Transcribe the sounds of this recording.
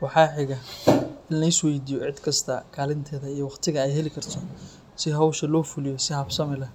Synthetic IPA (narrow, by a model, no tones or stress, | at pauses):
wɑħɑːħɪɣɐɪnlɐɪswɛjd̪iːjɔʕɪd̪kʰɐst̪ʰɐkʰaːlɪnt̪ʰɛːðɐijɔwɑχt̪ʰɪɣɐɛjɦɛlɪkʰɐrt̪ʰɔ | sɪɦɐwʃɐlɔːfʊlɪjɔsɪhɐbsɐmɪlɐ